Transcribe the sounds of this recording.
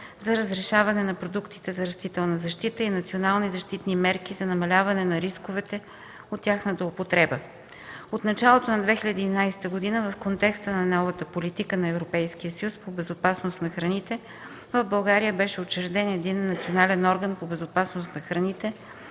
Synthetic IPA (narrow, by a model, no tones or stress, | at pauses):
zɐɾəzɾɛʃavɐnɛnɐpɾod̪ukt̪i̥t̪ɛzɐɾɐst̪it̪ɛlˠnɐzɐʃt̪it̪əinɐt̪sionalˠnizɐʃt̪it̪nimɛɾk̟izɐnɐmɐlʲavɐnɛnɐɾiskovɛt̪ɛ | ot̪ʲːjaxnət̪əopot̪ɾɛbə | ot̪nɐt͡ʃalˠot̪onɐd̪vɛxiʎʲəd̪iːnajsɛ̥t̪əɡod̪inəvɐfkont̪ɛkst̪ənɐnɔvət̪əpolit̪ikənɐɛvɾopɛjsk̟ijəsəjuspobɛzopasnost̪nɐxɾɐnit̪ɛ | vəvbɐlˠɡaɾijəbɛʃɛot͡ʃɛɾd̪ɛnɛd̪inːɐt̪sionalɛnɔɾɡənpobɛzopasnost̪nɐxɾɐnit̪ɛ